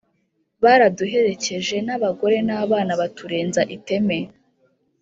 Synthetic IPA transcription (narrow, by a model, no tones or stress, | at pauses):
βaɾaduɦe̞ɾe̞ce̞ʒe̞naβaɡo̞ɾe̞naːβaːnaβatuɾeːnzaʔite̞me